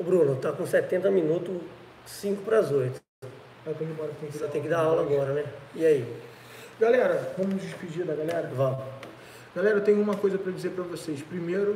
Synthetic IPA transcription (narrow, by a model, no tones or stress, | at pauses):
ʊbɾũnʊt̪akõsɛt̪ẽnt̪ɐminut̪ʊ | sĩkʊpɾɐzojt̪ʊ̥ | ak̪ɐ̃d͡ʒɪbɔɾɐkẽvisat̪ẽj̃kɪd̪aawlɐaɡɔɾɐnɛiai | ɡalɛɾɐvɐ̃mʊnʊzd͡ʒispid͡ʒiɾd̪ɐɡalɛɾɐvɐ | ɡ̥alɛɾɐt̪ẽjʊ̃ũmɐkojzɐpɾɐd͡ʒizeɾpɾɐvosejspɾimejɾʊ